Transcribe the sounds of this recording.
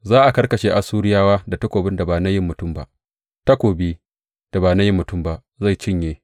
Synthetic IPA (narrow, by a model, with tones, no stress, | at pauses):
zaː˦ʔa˨kɐ˦rkɐ˨ʃeː˨ʔa˨suː˦ɽɪ˦jaː˦waː˦da˨tɐ˦kʷoː˨bɪ˦nda˨baː˨na˦jɪ˦mːʊ˨tʊ˦mba˦ʔ | ta˦kʷoː˨biː˦ | d̥a˨baː˨na˦jɪ˦mːʊ˨tʊ˦˨mba˦ʔ | za˦˨t͡ʃɪ˦ɲjeː˦